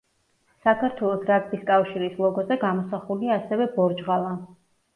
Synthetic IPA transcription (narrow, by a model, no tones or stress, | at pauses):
sakʰaɾt̪ʰwɛlˠɔsɾakb̪iskʼafʃiɾislˠɔɡɔzɛɡamɔsaχuliaːsɛvɛbɔɾd͡ʒʁalˠa